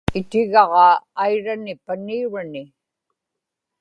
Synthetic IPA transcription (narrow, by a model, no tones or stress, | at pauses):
ɪt̪ɪɣɑʁɑːjɻanɪpaniuɻanɪ